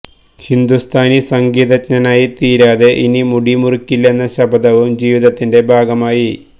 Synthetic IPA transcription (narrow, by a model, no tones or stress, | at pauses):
hind̪ust̪ʰaːnisɐŋɡiːðɐt͡ɕɲɐnaːjit̪iːɾaːðe̞ʔinimuɽimurikʲːilːe̞nːɐɕɐbʱɐd̪ɐʋumd͡ʑiːʋiðɐt̪ːinde̞bʱaːɡɐmaːji